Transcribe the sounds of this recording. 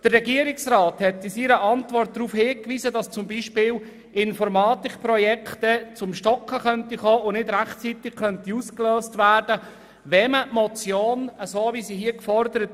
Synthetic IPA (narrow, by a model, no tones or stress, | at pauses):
d̥ərrɛɡiəɾɪksɾɑːt̪hɛt̪ːɪsiɾəʔɑnt̪vɔrt̚d̥̪ɾuːfhɪːkʋiːzədɑst͡sʊmbiʃpɪːl | ɪnfɔɾmɑːtɪkpɾɔjɛkʰtət͡sʊmʃtɔkχəχœnt̪iχoːʊnɪdɾæχt͡sit̪ɪɡ̥kœntiuskløːstʋæːrd̥ə | ʋɛməmɔt͡sjoːnəsoːvisiɦiəkfɔrd̪əɾət